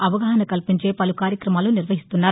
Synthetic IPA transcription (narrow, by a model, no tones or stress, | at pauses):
ɐʋɐɡaːɦɐnɐkɐlpiɲt͡ʃeːpɐlukaːɾjɐkɾɐmaːlunɪɾʋɐɦist̪unːaːɾ